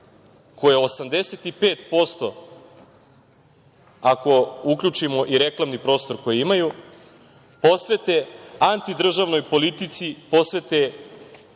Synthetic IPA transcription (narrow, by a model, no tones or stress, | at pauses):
ko̞jeosamd̪e̞se̞t̪ipeːt̪po̞st̪o̞ | ako̞ukʎut͡ʃimo̞ʔiɾe̞klˠamnipɾo̞ːst̪o̞ɾko̞jiimaju | po̞sʋe̞t̪eant̪id̪r̩ʒaʋno̞jpo̞lit̪it̪sipo̞sʋe̞t̪e